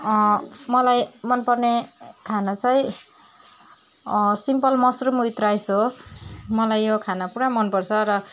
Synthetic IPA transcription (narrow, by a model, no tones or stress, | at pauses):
ʌmʌlajmʌnpʌrnekʰanat͡sʌj | simpʌlmʌsrumuit̪rajsʰo | mʌlajːokʰanapuɽamʌnpʌrt͡sʰʌɾʌ